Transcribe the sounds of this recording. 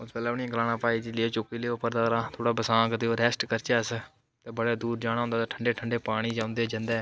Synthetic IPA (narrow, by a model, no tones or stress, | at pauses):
ʊsbɛːlɛːniãɡɾaːɽaːpaːiːd͡ʒiːleːt͡ʃokiːleːopːəɾd̪aːɾãːt̪ʰoːɽaːbəsãːkd̪eːoːɾɛːsʈkəɾt͡ʃaːs | t̪eːbəɽaːd̪uːɾd͡ʒaːɽ̃aːɦʊ̃nd̪aːt̪aːʈʰəɳɖeːʈʰəɳɖeːpaːɽ̃iːd͡ʒãːʊ̃nd̪eːd͡ʒə̃nd̪e